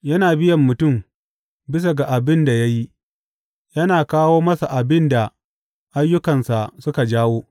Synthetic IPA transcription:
jɐ˦naː˨bɪ˦jɐ˨mːʊ˨tʊ˦˨m | bɪ˦s̬a˨ɡa˨ʔa˨bɪ˦nda˨ja˦ji˦ | jɐ˦naː˨kaː˦woː˦mɐ˦sa˨ʔa˨bɪ˦nda˨ | ʔa˦jːʊ˦kɐ˨nsa˨ʔsʊ˦ka˨d͡ʒaː˦woː˦

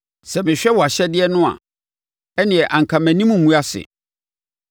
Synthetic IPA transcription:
sɛ˨mɪ̃˨ɕᶣɛ˦wɔ˨a˨ɕɛ˦dɪ˦ɛ˦nʊ̃˦ã̰˨ | ɛ˦nɪ̃˨ɛ˨ʔã˨ŋ̩˨kʰã˨mæ̃˨nĩ˦mũ˨mũ˦a˦sɪ̰˨

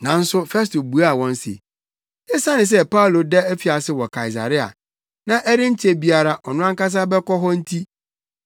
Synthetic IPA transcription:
nã˨n̩˦sʊ˦fɛ˦s̬to˨bu˨a˦a˦˨wɔ̃˦n˦sḛ˨ | ɪ˦sa˦nɪ̃˨s̬ɛ˦pa˦u˨lo˨dɛ˦æ˦fi˨a˨sɪ˦wɔ˨kʰa˨i˨s̬a̰˨ɾɪ˦a̰˨ | nã˦ʔɛ˦ɾɪ̃˦ɲ̩˦t͡ɕʰe˦bi˨a˨ɾa˨ʔɔ˨nʊ̃˦ã˦ŋ˦ka˦s̬a˦bɛ˦kɔ˦ɦɔ˦n̩˦tʰi˦

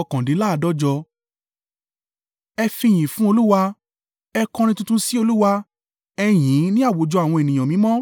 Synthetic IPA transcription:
kã˨di˨˦la˦˧dɔ˦d͡ʒɔ˧ | ɛ˧fĩ˧j̃ĩ˨fũ˦o˧lu˦wa˧ | ɛ˧kɔ̃˧ɾĩ˧tũ˧tũ˦si˦o˧lu˦wa˧ | ɛ˧j̃ĩ˨˦nĩ˦a˦˨wo˨˦d͡ʒɔ˧a˨w̃ɔ̃˧e˨nĩ˨j̃ã˨mĩ˨˦mɔ̃˦

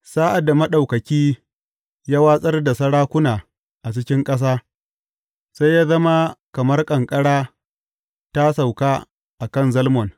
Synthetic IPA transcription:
saː˦ʔa˨da˨mɐ˦ɗa˨wkɐ˨kʲiː˦ | jaː˦waː˦sʼɐ˦rda˨sɐ˦ɽaː˦kʷʊ˦naː˨ | ʔa˨t͡ʃɪ˦kʲɪ˦ŋkʼɐ˦s̬aː˦ | sa˦jːaː˦zɐ˦ma˦kɐ˨mɐ˦rkʼɐ˨ŋkʼɐ˦ɽaː˦ | ta˦sa˨wkaː˦ | ʔa˨kɐ˦˨nzɐ˦lmɔ˨n

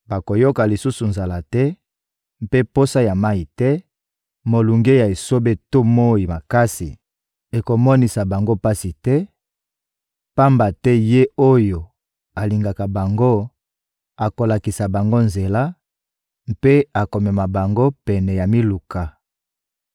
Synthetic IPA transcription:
ba˨ko˨jo˦ka˨li˨su˦su˨nza˨la˨tɛ˦ | m˦pe˦po˦sa˦ja˨ma˦i˨tɛ˦ | mo˨lu˨ŋɡe˦ja˨e˨so˦be˦to˦mo˦i˨ma˨ka˦sḭ˨ | e˨ko˨mɔ˦ni˨sa˨ba˨ŋɡo˦pa˦si˨tɛ˦ | pa˦mba˨tɛ˦je˦o˦jo˨ | a˨li˨ŋɡa˨ka˨ba˨ŋɡo˦ | a˨ko˨la˨ki˨sa˨ba˨ŋɡo˦nze˨la˦ | m˦pe˦a˨ko˨mɛ˨ma˨ba˨ŋɡo˦pɛ˨nɛ˨ja˨mi˦lu˨ka˨

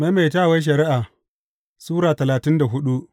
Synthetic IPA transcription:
ma˦ma˨jtaː˦˨wa˦jʃ̬ɐ˨ɾɪ˦ʔaː˨ | suː˦ɾaː˨tɐ˨laː˨tɪ˦nda˨ɦʊ˦ɗu˦ʔ

